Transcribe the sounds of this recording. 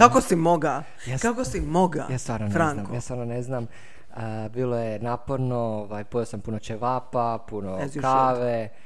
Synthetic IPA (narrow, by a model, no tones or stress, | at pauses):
kakosimoɡa | jakakosimoɡa̰jaːsʋaɾnoɾaŋkojaːsʋaɾnoneznaːm | əbiːlˠojenaːpoɾnooʋajpoʋeosampunot͡ʃeʋaːpapunokaːʋe